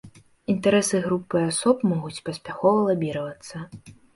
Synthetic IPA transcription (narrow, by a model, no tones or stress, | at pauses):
int̪ɛɾɛsɨɣɾupːɨasɔpmɔɣut͡sʲpɐsʲpʲaxɔvɐlˠabʲiɾɐvɐt̪sːɐ